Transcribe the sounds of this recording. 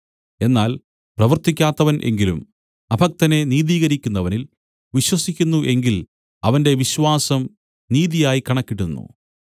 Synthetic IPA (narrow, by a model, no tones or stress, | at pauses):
e̞nːaːl | prɐʋɐrt̪ːikʲːaːt̪ːɐʋɐnʔe̞̰ŋɡilum | ɐbʱɐk̚t̪ɐne̞niːðiːɣɐɾikʲːunːɐʋɐnil | ʋiɕwɐsikʲːunːuʔe̞ŋɡil | ɐʋɐnde̞ʋiɕʋaːsɐm | niːðijaːjikɐɳɐkːiʈːunːṵ